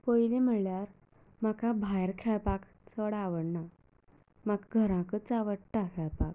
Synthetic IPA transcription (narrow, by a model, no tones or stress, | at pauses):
pojlem̤əɭljaɾ | makabʱajɾkʰɛɭpak | t͡səɽaʋəɽna | maɡɡʱəɾãkət͡saʋəʈʈːakʰɛɭpak̚